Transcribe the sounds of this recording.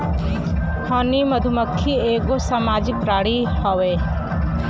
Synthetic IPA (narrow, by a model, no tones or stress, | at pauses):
hʰɔnimɐd̪ʱuməkʰːieːɡosaːmaːd͡ʒɪk̚pɾaːɽihɔʋeː